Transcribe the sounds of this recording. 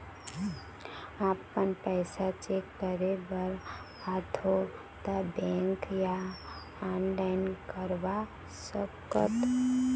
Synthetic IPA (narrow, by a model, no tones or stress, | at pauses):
aːpənpɛɪsat͡ʃekːəɾebəɾ | at̪ʰo | t̪abɛ̃ŋkja | ãnlaɪnkəɾʋa | səb̚kət̪